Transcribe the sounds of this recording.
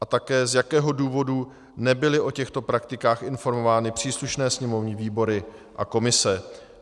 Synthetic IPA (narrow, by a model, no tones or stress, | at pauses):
ʔat̪akɛːzjakɛːɦo̞duːvo̞du | nɛbɪlɪʔo̞cɛxt̪o̞pɾak̚t̪ɪkaːxʔɪnfo̞ɾmo̞vaːnɪpr̝̥iːsluʃnɛːsɲɛmo̞vɲɪviːbo̞ɾɪ | ʔa̰ko̞mɪsɛ